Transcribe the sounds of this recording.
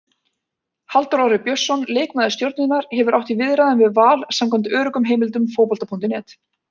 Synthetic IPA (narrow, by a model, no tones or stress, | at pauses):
halt̪ɔɾɔɾɪpjœsːɔnleːjkmaðɾst̪jowɾt̪nɪnaɾ̥hɛvʏɾʔawht̪ivɪðɾaðɪnvɪðvaːlsamkʰɔmt̪œːɾʏkʏmɦeːjmɪlt̪ʏmfoːwpɔlt̪apʰunt̪ɪnɛːt̪